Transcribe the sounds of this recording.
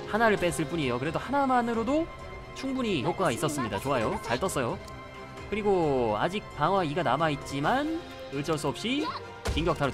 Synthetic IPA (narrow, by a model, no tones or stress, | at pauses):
hanaɾɯɭp͈es͈ʰɯɭp͈uɲiejokɯɾe̞dohanamanɯɾodo | t͡ɕʰuŋbuɲiçok͈aɡais͈ʌs͈ɯmɲidat͡ɕoajot͡ɕaɭt͈ʌs͈ʌjo | kɯɾiɡoa̰d͡ʑik̚paŋwaiɡanamait̚t͡ɕ͈iman | ɯɭt͡ɕʰʌɭs͈uʌp̚ɕ͈i | kiŋɡjʌk̚tʰaɾo